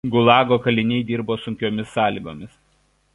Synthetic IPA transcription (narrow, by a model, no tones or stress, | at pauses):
ɡʊlˠɑːɡoːkɐlʲɪnʲɛɪd̪ʲiːɾboːsʊŋʲkʲoːmʲɪsːɑːlʲiːɡo̰ːmʲɪs